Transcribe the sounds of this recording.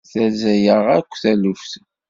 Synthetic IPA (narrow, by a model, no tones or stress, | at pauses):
θæzæjəʁækʷːθælʊfθ